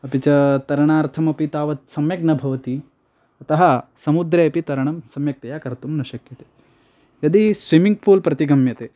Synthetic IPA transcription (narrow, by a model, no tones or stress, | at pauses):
ɐpit͡ʃɐt̪ɐɾɐɳaːɾt̪ʰɐmɐpit̪aːʋɐt̪sɐmjɐɡ̚nɐbʱɐʋɐt̪i | ɐt̪ɐɦɐsɐmud̪ɾeɐpit̪ɐɾɐɳɐmsɐmjɐk̚t̪ɐjaːkɐɾt̪umnɐʃɐkjɐt̪eː | jɐd̪isʋimiŋɡpʰuːlpɾɐt̪iɡʱɐmjɐt̪eː